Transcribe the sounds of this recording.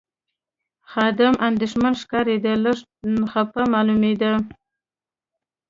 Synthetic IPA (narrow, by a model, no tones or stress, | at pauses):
xɑd̪ɪmʔand̪ɪʃmanʂkɑɾed̪ələʂ | xapamɑlumed̪a